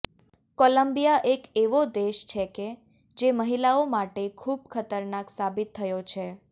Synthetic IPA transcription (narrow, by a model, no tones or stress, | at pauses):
koləmbijaʔekeʋod̪eʃt͡ʃʰeke | d͡ʒeməɦilaomaʈekʰub̚kʰət̪əɾnaksabit̪ʰːəjot͡ʃʰe